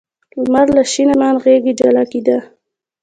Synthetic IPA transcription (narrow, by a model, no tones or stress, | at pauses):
lumaɾlaʃinamanɣeɡid͡ʒalakid̪a